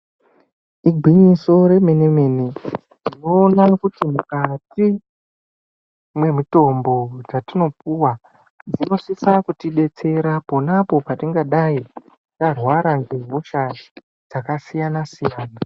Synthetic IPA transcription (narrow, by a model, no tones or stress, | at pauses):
iɡʱwiɲiso̞ɾe̞me̞nemeni | rino̞ːnakutimukati | mwe̞mito̞mbo̞d͡zatino̞puwa | d͡zino̞sisakutiɓe̞t͡se̞ɾapo̞napo̞patiŋɡaɗai | tarwaɾanɡeɦoʃa | d͡zakasijanasijaːna